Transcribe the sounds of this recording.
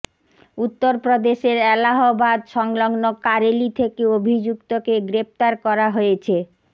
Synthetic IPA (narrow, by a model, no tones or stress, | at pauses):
ut̪ːoɾpɾod̪eʃeɾɛlaɦobad̪ʃɔŋlɔŋnokaɾelit̪ʰekeobʱid͡ʑukt̪okeɡɾept̪aɾkɔɾaɦojet͡ɕʰe